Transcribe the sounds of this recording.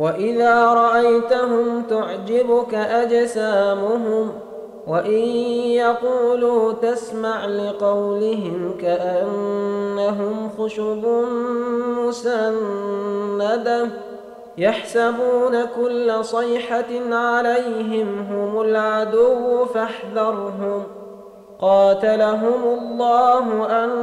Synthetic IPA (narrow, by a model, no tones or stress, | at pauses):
waʔɪðaːɾˤɑʔajt̪aɦʊmt̪ʊʕd͡ʒɪbʊkaʔad͡ʒsaːmʊɦʊm | waʔɪjjɑquːluːt̪asmaʕlɪqɑwlɪɦɪmkaʔanːaɦʊmxʊʃubʊnmʊsanː | ad̪a | jaħsabuːnakʊlːasˤɪjħaʕalajɦɪmɦʊmʊlʕad̪ʊwːfaħðɑɾˤɦʊm | qɑːt̪alaɦʊmʊlˤːɑːɦʊʔan